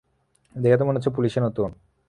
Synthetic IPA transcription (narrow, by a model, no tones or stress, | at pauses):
d̪ekeat̪̬omonot̪t͡ɕʰop̬uliʃenot̪un